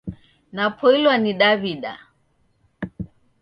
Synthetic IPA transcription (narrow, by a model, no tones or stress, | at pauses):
napʰɔilwaniɗaβiɗa̰